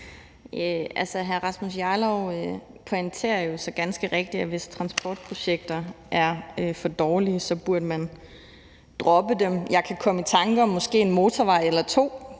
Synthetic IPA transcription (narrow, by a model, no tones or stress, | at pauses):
øʔælsɐɦæɐʁɑ̈smus̬jɑːlɒʊøpʰɒ̽e̝nt͡sʰe̝ɐ̰ɐjo̝sɒ̽ɡ̥ænsɡ̥əʁeɡ̥̚d̥iɒʋe̝st͡sʰʁɑ̈nsb̥ʰɒ̰ːd̥̚pʰʁo̝ɕeɡ̥̚d̥ɐʔæɐøfɒ̽d̥ɒːliəsɒ̽b̥uɐd̥əmæn | d̥ʁɒ̽b̥əd̥emjɑ̈ɪkʰækʰɒ̽məit͡sʰɑ̈ŋɡ̥əɒ̽mːɒ̽sɡ̥e̝̰ːe̝nmo̝ːt͡sʰɒʋɑ̈ɪ̰elɐt͡sʰo̝̰ː